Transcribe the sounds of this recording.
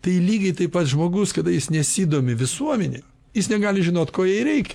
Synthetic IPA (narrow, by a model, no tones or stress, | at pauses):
t̪ɐɪilʲiːɡʲɛɪt̪ɐɪpɐt̪ʒmoːɡʊskɐd̪ɐjɪsnʲɛsʲiːd̪oːmʲɪʋʲɪsuɔmʲɛnʲɛ | jɪsnʲɛɡɑːlʲɪʒʲɪnoːt̪koːjɛɪɾʲɛɪkʲɛ